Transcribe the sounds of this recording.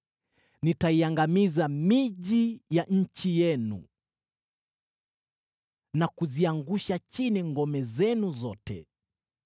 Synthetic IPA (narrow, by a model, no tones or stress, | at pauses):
nitaiaŋɡamizamiʄijaʔɲ̩t͡ʃijɛnṵ | nakuziaŋɡuʃat͡ʃiniŋɡɔmɛzɛnuzɔtɛ̰